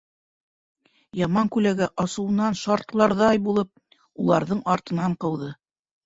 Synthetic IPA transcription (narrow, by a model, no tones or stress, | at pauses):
jɑmɑŋkʉlæɡæʔɑsɤ̆wɤ̆nɑnʃɑɾt̪lˠɑɾðɑjbulˠɤp̚ | ulˠɑɾðɤɴɑɾt̪ɤ̆nɑɴqɤ̆wðɤ